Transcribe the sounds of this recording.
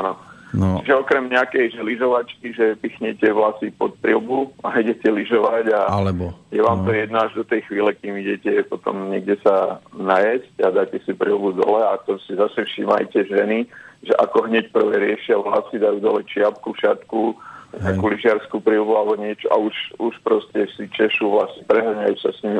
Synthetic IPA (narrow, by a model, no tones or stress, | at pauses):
anɔt͡ʃiʒɛɔkɾɛmɲɛakɛjʒɛliʒɔʋat͡ʃkiʒɛpixɲɛcɛʋlasipɔt̪̚pɾilbuaiɟɛcɛliʒɔʋaɟalɛbɔjɛʋaːmt̪ɔjɛd̪naaʒd̪ɔt̪ɛjxʋiːlɛkiːmiɟɛcɛpɔt̪ɔ̰mɲɛɡɟɛsanajascad̪aːcɛsipɾḭlbud̪ɔ̰lɛat̪ɔsizasɛfʃiːma̰jcɛʒɛniʒɛʔakɔɦɲɛc̚pr̩ʋɛːɾɪɛʃɪaʋlasid̪ajuːd̪ɔlɛt͡ʃɪap̚kufʃɪat̪kuɲɪakuliʒɪaɾskupɾilbualɛbɔɲɪɛt͡ʃɔʔa̰uʃuʃpɾɔscɛsit͡ʃɛʃuʋlasipɾɛɦr̩ɲajuːsasɲimi